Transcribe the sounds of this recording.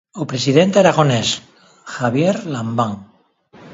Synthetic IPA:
opɾe̞siðent̪eɾaɣo̞nes | xaβjeɾlambaŋ

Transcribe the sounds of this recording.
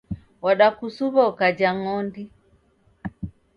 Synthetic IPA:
waɗakusuβɔkad͡ʒaŋɔndi

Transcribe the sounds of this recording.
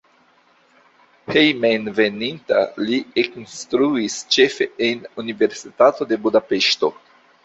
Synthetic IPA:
hejmenveninta̰lieknst̪ɾuist͡ʃe̞fe̞enunive̞ɾsitato̞de̞budape̞ʃto̞̰

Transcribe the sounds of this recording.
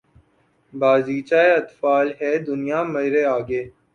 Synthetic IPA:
baːziːt͡ʃaːeɐt̪faːlɦɛːd̪ʊnijaːmɐɪɾeaːɡeː

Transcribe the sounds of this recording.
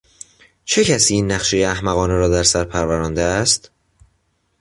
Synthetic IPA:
t͡ʃʰe̞cʰæsiːiːnːæχʃejeæhmæɣɒːneɾɒːd̪æɾsæɾpʰæɾvæɾɒːnd̪eæst̪

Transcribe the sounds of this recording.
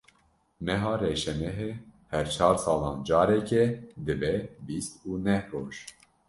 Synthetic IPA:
mɛɦɑːreːʃɛmɛɦehɛɾt͡ʃʰɑːɾsɑːlɑːnd͡ʒɑːɾɛkɛd̪ɨbɛbiːst̪uːnɛhroːʒ

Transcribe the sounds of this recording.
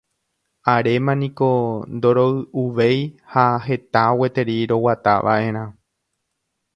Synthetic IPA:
aɾe̞mãnĩkond̪o̞ɾoɨuʋejhaɦe̞t̪awe̞t̪e̞ɾiɾo̞wat̪aʋʔa̰ʔẽ̞ɾ̃ã

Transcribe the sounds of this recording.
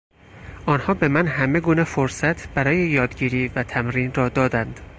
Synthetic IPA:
ʔɒːnhɒːbe̞mænɦæme̞ɡuːnefoɾsæt̪ʰb̥æɾɒːje̞jɒːd̪ɟiːɾiːvæt̪ʰæmɾiːnrɒːd̪ɒːd̪ænd̪̥

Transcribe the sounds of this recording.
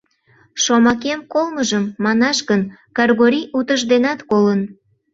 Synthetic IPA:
ʃomɑk̬emkolˠməʒəmːɑnɑʃɣənkɑrɣoɾʲijʔut̪əʒd̪enɑt̪kolən

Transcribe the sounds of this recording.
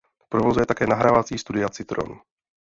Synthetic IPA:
pɾovo̞zujɛt̪akɛːnaɦɾavat͡siːst̪udɪat͡sɪt̪ɾo̰nu

